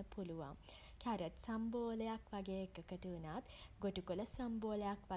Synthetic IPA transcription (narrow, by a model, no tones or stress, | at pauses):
əpuluʋa̰m | kʰæɾəʈsamboːləjakʋaɡeːekːəkəʈuːnaːt̪ɡoʈukoləsəmboːləjakʋa